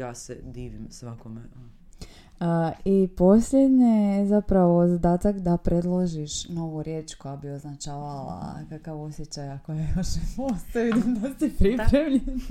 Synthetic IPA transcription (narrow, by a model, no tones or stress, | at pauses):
jaːsed̪iːʋimsʋakomeo | ipo̞slʲed̪ɲezapɾaʋo̞zad̪aːt̪akd̪apɾe̞d̪lˠoʒiʃno̞ʋuɾjeːt͡ʃko̞jabioznat͡ʃaːʋala̰kakaʋo̞sjet͡ɕajakojajoʃnemost̪aʋid̪imd̪asipɾipɾemʎen